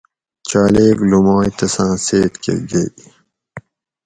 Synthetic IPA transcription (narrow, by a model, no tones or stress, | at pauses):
t͡ɕaːleːɡlumaːjt̪ɐsãːseːt̪kʰḛɡɐ̰j